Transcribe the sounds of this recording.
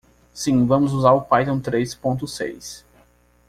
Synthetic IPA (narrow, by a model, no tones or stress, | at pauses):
sĩvɐ̃mʊzuzaɾʊpajt̪õw̃t̪ɾespõnt̪ʊsḛjs